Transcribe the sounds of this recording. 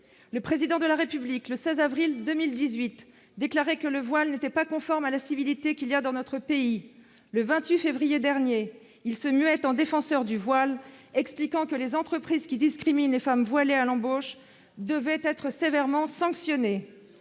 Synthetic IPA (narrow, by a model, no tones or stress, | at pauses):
ləpχezid̪ɑ̃d̪əlaʁepyblikləsɛzavʁild̪əmild̪izɥit̪ | d̪eklaʁɛkələvwalnet̪ɛpakɔ̃fɔʁmalasivilit̪ekʲiljad̪ɑ̃nɔt̪χəpei | ləvɛ̃t̪ɥifevʁijed̪ɛʁnje | ilsəmyɛt̪ɑ̃d̪efɑ̃sœʁd̪yvwalɛksplikɑ̃kəlezɑ̃t̪χəpχizkʲid̪iskχiminlefamvwalealɑ̃boʃ | d̪əvɛt̪ɛt̪χəsevɛʁmɑ̃sɑ̃ksjɔne